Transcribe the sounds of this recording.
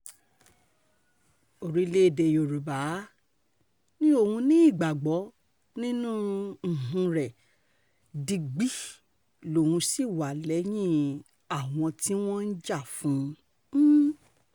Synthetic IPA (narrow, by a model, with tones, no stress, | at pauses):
o˨ɾi˨˦le˦˨de˧jo˨ɾu˨ba˨˦ | nĩ˦o˦˨hũ˧nĩ˦i˦˨ɡ͡ba˨ɡ͡bɔ˨˦ | nĩ˦nũ˦n̩˨ɦũ˧ɾɛ˨ | di˧ɡ͡bi˦ | lo˨hũ˧si˦˨wa˨lɛ˨˦j̃ĩ˦˨ | a˨w̃ɔ̃˧ti˦w̃ɔ̃˦n̩˦d͡ʒa˦˨fũ˨˦